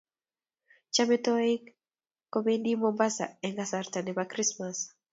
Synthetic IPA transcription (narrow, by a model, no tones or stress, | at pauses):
t͡ʃamɛtɔɪk | kːomendimɔmbasa̰ɛŋɡasartanɛbakrismas